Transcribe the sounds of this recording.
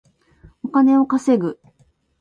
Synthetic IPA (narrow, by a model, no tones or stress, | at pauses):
okane̞o̞kase̞ɡɯ̟